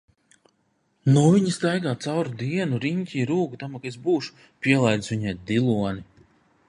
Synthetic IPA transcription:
nuviɲist̪ajɡaːt̪sawɾud̪iɛnuɾiɲʲcʲiːɾuːɡut̪amakezbuːʃu̥ | pʲiɛlˠajd̪sviɲɛj̚d̪ilˠuɔni

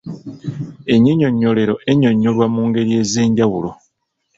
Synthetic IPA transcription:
e̞ɲeɲo̞ɲːo̞le̞ɾo̞ʔe̞ɲo̞ɲːolwamuːŋɡe̞ɾije̞zeːɲɟawulo

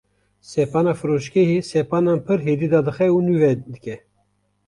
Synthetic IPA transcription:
sɛpɑːnɑːfɨɾoʃkeɦesɛpɑːnɑːnpʰɨɾɦeːd̪iːd̪ɑːd̪ɨxɛunuvɛd̪ɨkɛ

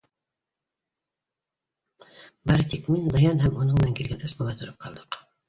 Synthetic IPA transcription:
bɑɾɤt̪ikmind̪ɑjɑnɦæmunɤɴmɘnæŋkilɡænʔɵsbɑlˠɑt̪ʰŏɾɤp̚qʰɑlˠd̪ɤ̥q

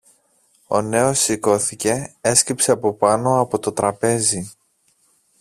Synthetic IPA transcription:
o̞̰ne̞o̞sːiko̞θice̞e̞scipse̞ɐpo̞pɐno̞ɐpo̞t̪o̞t̪ɾɐpe̞zi

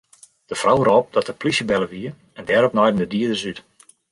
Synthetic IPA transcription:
d̥əfrawərɔp̚dɔtəplisəbɛləʋiə | ɛndɛːɾɔpnɔjdən̩dədiədəsyt

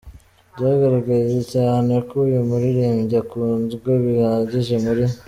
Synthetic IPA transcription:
ɟaːɡaɾaɡezecaːne̞kujumuɾiɾeːmɟakunzɡoβihaɟiʒemuɾi

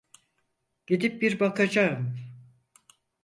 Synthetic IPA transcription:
ɟ̥id̪ip̚biɾbakad͡ʒaɯm

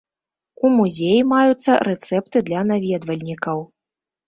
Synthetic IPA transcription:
umuzʲejimajut̪sːɐɾɛt̪sɛp̚t̪ɨd̪lʲɐnavʲɛd̪vɐlʲnʲikɐw

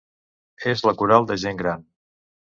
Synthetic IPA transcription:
ezləkuɾalˠd̪əʒeŋɡɾan

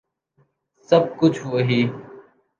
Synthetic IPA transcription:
səb̚kʊt͡ʃʰuəɦiː

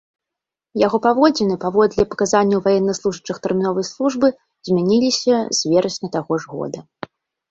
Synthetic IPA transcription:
jaɣɔpavɔd͡zʲɛnɨpavɔd̪lʲɐpɐ̥kazanʲːɐwvajɛnːɐslˠuʐɨt͡ʂɨxt̪ɛrmʲinɔvɐjslˠuʐbɨ | zʲmʲanʲilʲisʲɐzʲvʲɛɾɐsʲnʲɐt̪aɣɔʐɣɔ̰d̪ɐ

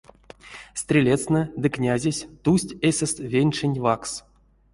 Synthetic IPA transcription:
st̪ʲrʲelʲet̪snɨd̪ɨknʲazʲesʲt̪usʲtʲesʲest̪vʲenʲʂenʲvaks

